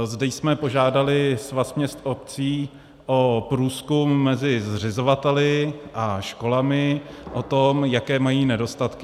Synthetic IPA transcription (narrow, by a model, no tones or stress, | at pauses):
zdɛjsmɛpo̞ʒaːdalɪsvasmɲɛst̪op̚t͡siː | ʔopɾuːskumːɛzɪzr̝ɪzovat̪ɛlɪʔaʃko̞lamɪʔot̪omjakɛːmajiːnɛdo̞st̪at̪kɪ